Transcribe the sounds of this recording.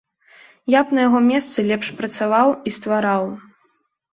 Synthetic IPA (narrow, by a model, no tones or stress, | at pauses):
japnɐjaɣɔmʲɛst̪sɨlʲɛpʂpɾɐt̪savawist̪vaɾaw